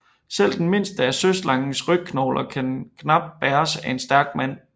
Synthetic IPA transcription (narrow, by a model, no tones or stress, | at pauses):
sel̰d̥enme̝n̰sd̥əæɐsøslɑ̈ŋn̩sʁœɡ̥̚kʰnɒʊlʔɐkʰænkʰnɑ̈b̥̚d̥̚b̥æːɐsæe̝nsd̥æɐɡ̥mæn̰